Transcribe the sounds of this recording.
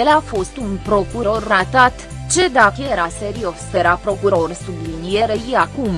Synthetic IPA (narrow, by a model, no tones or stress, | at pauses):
jelafo̞st̪unpɾo̞kuɾo̞rnat̪at̪ | t͡ʃe̞d̪akəjeɾaseɾiofst̪eɾapɾo̞kuɾo̞rsublinieɾəjiakum